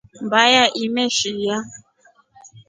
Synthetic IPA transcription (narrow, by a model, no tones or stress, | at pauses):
mbajaʔimɛʃija